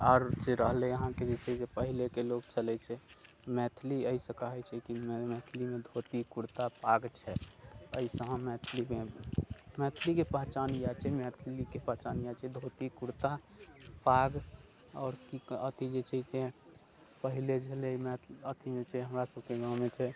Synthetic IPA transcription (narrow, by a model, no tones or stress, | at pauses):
ɔːɾd͡ʒeɾəɦlɛəɦãked͡ʒet͡ʃʰɛd͡ʒepəɦilekeloɡt͡ʃəlɛt͡ʃʰɛ | mɛt̪ʰliəisə̃kəɦɛt͡ʃʰɛkimmɛt̪ʰlimed̪ʱot̪ikuɾt̪apaɡt͡ʃʰɛəisəɦə̃mɛt̪ʰlime | mɛt̪ʰlikepəɦt͡ʃanjat͡ʃʰɛmɛt̪ʰlikepəɦt͡ʃanjat͡ʃʰɛd̪ʱot̪ikuɾt̪a | paɡ | ɔːɾkiət̪ʰid͡ʒet͡ʃʰɛse | pəɦiled͡ʒʱelemɛt̪ʰlət̪ʰimet͡ʃʰɛɦəmɾasəbkeɡãmet͡ʃʰɛ